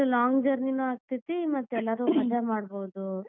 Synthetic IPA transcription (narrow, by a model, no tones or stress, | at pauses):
ulaːŋɡd͡ʒɐɾninuaːɡ̚t̪it̪ːimɐt̪ːɛlːɐɾuːmɐd̪amaːɽboːd̪u